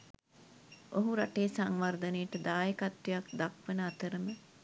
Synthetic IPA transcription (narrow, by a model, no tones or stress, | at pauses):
oɦuɾaʈeːsaŋʋard̪ənejʈəd̪aːjəkat̪ʋejak̚d̪akʋənəat̪əɾəmə